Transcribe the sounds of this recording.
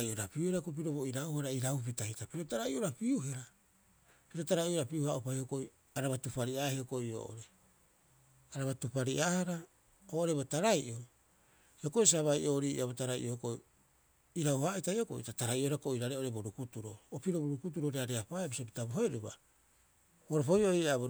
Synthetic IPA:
ajʔoɾapiuheɾakop̬iɾo̞bo̞iɾawhaɾaiɾawpitahitapiɾo̞taɾaiʔo̞ɾapiuɦe̞ɾa | piɾo̞taɾajoɾapiuhaʔupahiokoj | aɾaβatupaɾiaheoko̞io̰ʔo̰ɾe | aɾaβatupaɾiʔaːhaɾa | oʔoɾe̞botaɾajʔoi | hioko̞js̬aβajʔoːɾḭʔabotaɾaj̰ʔookoj | iɾawhaitajoko̰ʔḭtataɾajʔoheɾakoiɾaɾeʔo̞ɾeboɾukutuɾo̞̰opiɾo̞boɾukut̬uɾoɾeaɾeapajabisopi̥taboɦe̞ɾuba̰ | oɾopojoiabo

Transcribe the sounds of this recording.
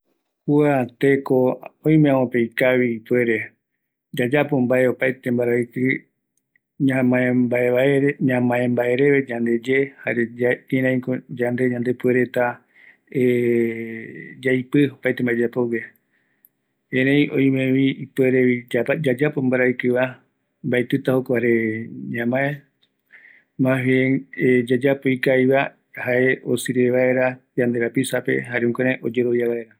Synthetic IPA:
kuat̪e̞koõj̃meaõpejkaβiːpwe̞ɾe̞ | d͡ʒad͡ʒapombae̞o̞pajt̪e̞mbaɾajkɨ | ɲãmãẽbae̞βaeɾeɲãmãẽmbae̞ɾe̞ʋe̞d͡ʒãnd̪e̞d͡ʒe̞ha̰ɾeĩɾãj̃kod͡ʒand̪e̞ɲãnd̪e̞pue̞ɾe̞t̪a | e | d͡ʒajpɨopajt̪embaed͡ʒapowe | ẽɾẽj̃ʔõ̰j̃mẽβiipueɾeβid͡ʒad͡ʒapombaɾaikɨβa | mbaet̪ɨt̪ahokʷaɾeɲãmãẽ | mãɦeed͡ʒad͡ʒapoikajβa | haʔe̞o̰sɨɾeβaeɾad͡ʒand̪e̞ɾapisape̞̰ɦaɾeũkeɾãʔo̞d͡ʒe̞ɾo̞βjaβaeɾa

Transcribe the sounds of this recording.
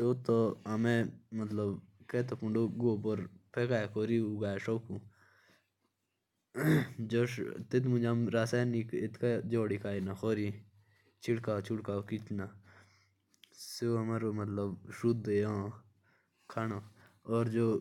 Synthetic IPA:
set̪oɐmẽmət̪ləbkeːt̪opuɳɖoɡoːpoɾpʰeːkaːekoːɾiːuɡaːeʃoːku | d͡ʒoʃt̪et̪mʊ̃d͡ʒamɾaːsaːnikɪt̪kad͡ʒoːɽikʰaːinaxoːɾi | t͡ʃʰɪɽkaːt͡ʃʰuɽkaːokit͡ʃnaː | seɦɐmaːɾomɐt̪ləbʃut̪̚d̪eõː | kʰaːno | ɔːɾd͡ʒoː

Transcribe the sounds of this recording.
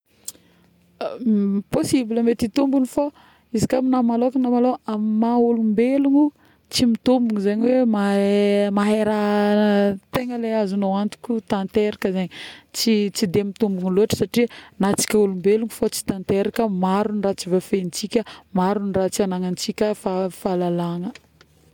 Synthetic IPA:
posibiləmet̪it̪umbunifa | izikʲaminamalokunamaloamimaulumbeluŋu | t͡simit̪umbuŋizaɲiwemamaɦeɾa | t̪eŋəleazunowant̪u̥kʲut̪ant̪eɾakəzeɲit͡sit͡sid̪emit̪umbuŋiluaʈ͡ʂə̥saʈ͡ʂinat͡si̥kʲaulumbeluŋufot͡si̥t̪ant̪eɾakəmaɾunrat͡sivafent͡sikʲəmaɾunirat͡sianaŋant͡sikʲəfafalalaŋə

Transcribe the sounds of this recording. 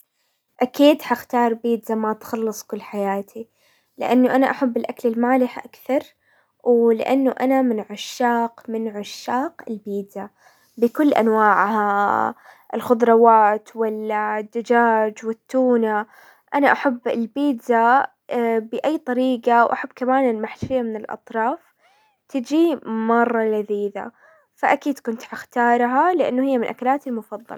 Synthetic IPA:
ʔakiːd̪haxt̪ɑːɾˤbiːd̪zamat̪xɑlːɨsˤkʊlːħajaːt̪ʰi | lɪ̰ʔanːʊʔanaʔaħabːɪlʔaklɪlmaːlɪħʔakθɑɾˤ | wlɪ̰ʔanːʊʔanamɪnʕʊʃːaːqmɪnʕʊʃːaːqɪlbiːd̪za | bɪkʊlːʔa̰nwaːʕha | ɪlxʊd̪ˤɾˤɑwaːt̪walːad̪ːad͡ʒaːd͡ʒwɪt̪ːuːna | ʔanaʔaħabːɪlbiːdza | bɪʔajːt̪ˤɑɾiːqɑwʔaħabːkamaːnɪlmaħlfɪjːamɪnɪlʔɑ̰t̪ˤɾˤɑːf | t̪ɪd͡ʒimɑrˤːɑlaðiːða̰ | faʔakiːd̪kʊnt̪ʕaxt̪ɑːɾˤɦalɪʔa̰nːʊhɪjːamɪnʔakalaːt̪ilmʊfɑðˤːɑ̰l

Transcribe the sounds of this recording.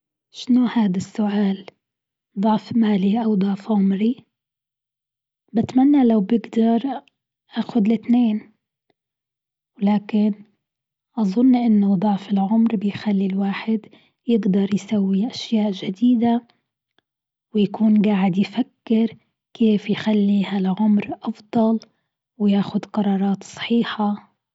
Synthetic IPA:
ʃɪnuhaːd̪asːʊʔaːl | d̪ˤɑʕfmaːliʔawd̪ˤɑʕfʕʊmɾi | bɪt̪manːalawbɪɡd̪ɑɾˤ | ʔaːxʊd̪lɪt̪neːn | wlaːkɪn | ʔɑðˤʊnːʔɪnːʊd̪ˤɑʕfɪlʕʊmɾbɪjxalːilwaːħɪd̪ | jɪɡd̪ɑɾˤjsawːiʔaʃjaːʔʒad̪iːd̪a | wjakuːnɡaːʕɪd̪jfakːɪɾ | kʰeːfjxalːihalʕʊmɾʔɑfd̪ˤɑl | wjaːxʊd̪qɑɾˤɑːɾˤɑːt̪sˤɑ̥ħiːħa

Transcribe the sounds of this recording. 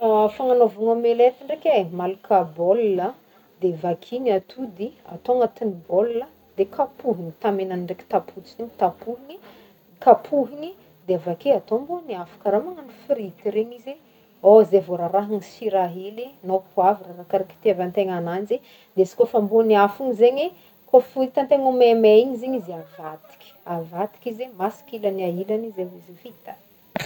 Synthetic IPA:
afaŋanovaŋomelet̪iɳɖ͡ʐekʲemalukʰabolːə | d̪evakʰiɲat̪ʰud̪ia̰t̪oŋat̪iniboluə | d̪ekʰapuɦinit̪amenaniɳɖ͡ʐeki̥t̪apʰut͡siiɲit̪apuɦini | kapʰuɦini | d̪eavakeat̪omboniafḁkəɾamaŋanifiɾit̪iɾeɲize | ozevuɾaɾaɦinisiɾaɦilinopʰuavirarakaɾaki̥t̪eavant̪eŋanand͡ʒe | d̪esi̥kofambuniafuɲizeɲi | kofuit̪ant̪eŋumemeiɲiziɲizavat̪i̥kʲi̥avat̪i̥kizemasi̥kilaniaɦilanizevizifit̪a

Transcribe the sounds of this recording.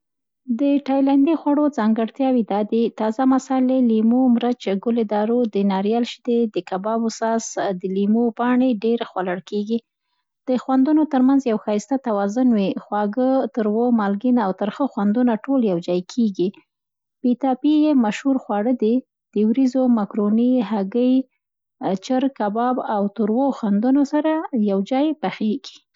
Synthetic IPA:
d̪əʈɑjland̪ixwaɽod͡zɑŋɡəɽt̪jɑwid̪ɑd̪it̪ɑzamasɑlelimomɾət͡ʃɡʊlɪd̪ɑɾod̪ənɑɾjɑlʃd̪ed̪əkabɑbʊsɑsd̪əlimopɑɳeɖeɾxwalaɽkeɡi | d̪̥əxwand̪unot̪əɾmanzjawxɑist̪at̪awɑzʊnwixwɑɡət̪əɾwomɑlɡinawt̪əɾxəxwand̪unaʈoljawd͡ʒɑjkʰeɡi | bit̪ɑpijemaʃhuɾxwɑɽəd̪e | d̪̥əwɾizomakɾoniɦaɡəj | t͡ʃəɾkabɑbawt̪uɾwoxwand̪unosaɾajawd͡ʒɑjbaxeɡ̥i̥

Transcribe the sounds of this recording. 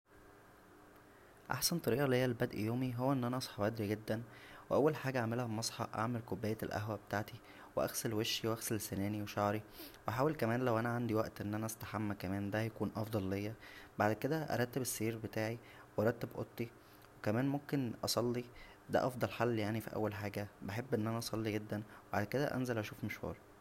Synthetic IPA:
ʔa̰ħsænt̪ˤɑɾiːʔɑlejːælbæd̪ʔjoːmiɦowːæʔenːʔænæʔɑsˤħɑbʔæd̪ɾiɡed̪ːænweʔæwːælħaːɡæʔaʕmelhæmɑsˤħɑ̰ʔa̰ʕmelkobːæːjːælʔæ̰ɦwæbet̪aʕt̪i | weʔæ̰xsælweʃːiwʔæxsælsænæːniweʃɑʕɾiwʔaħaːwelkæmæːnlæwʔænæʕand̪iwæʔt̪ʔenːʔænæʔæst̪ḁħamːækæmæːnd̪æjækuːnʔɑfd̪ˤɑlːejːæbaʕd̪ked̪æʔɑ̰ɾˤɑt̪ːebesːiːɾbet̪aːʕi | wʔɑɾˤɑt̪ːebʔo̰t̪ˤːi | wekæmæːnmomkenʔɑsˤɑlːi | d̪æ̰ʔɑfd̪ˤɑlħalːjaʕnifḭʔæ̰wːælħaːɡæbaħebːʔenːʔænæʔɑsˤɑlːiɡed̪ːænweba̰ʕd̪ked̪æ̰ʔæ̰nzælʔæʃuːfmoʃhṵːɾˤ

